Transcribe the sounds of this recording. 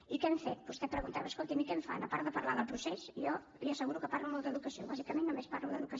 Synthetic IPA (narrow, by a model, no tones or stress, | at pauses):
ikɛmfet̪̚bust̪ɛpɾəɣunt̪aβəskolˠt̪imikɛɱfa̰nəpaɾt̪d̪əpəɾlaðəlˠpɾusesjɔ | iəsəɣuɾukəparlumɔlˠd̪əðukəsio̰βazikəmenːumespaɾluðəðukə